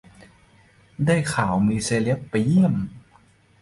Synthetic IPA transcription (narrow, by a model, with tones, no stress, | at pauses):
daː˥˩jkʰaː˩˦wmiː˧seː˧li˦˥əp̚pa˧jːi˥˩əm